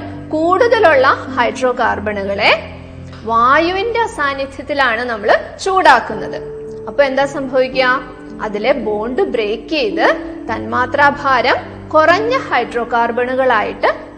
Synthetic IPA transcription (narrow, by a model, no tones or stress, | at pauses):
kuːɽuðɐluɭːɐhɐjɖro̞ːkaːrbɐɳuɣɐɭe̞ | ʋaːjuʋinde̞ɐsaːnjɐt̪ʰjɐt̪ːilaːɳɨnɐmːɐɭt͡ɕuːɽaːkːunːɐðɨ | ɐpːoːe̞nd̪aːsɐmbʱɐʋikʲːua | ɐðile̞bo̞ːɳɖɨbre̞ːkːejt̪ːɨt̪ɐnmaːt̪raːbʱaːɾɐm | kurɐɲːɐhɐjɖro̞ːkaːrbɐɳuɣɐɭaːjiʈːɨ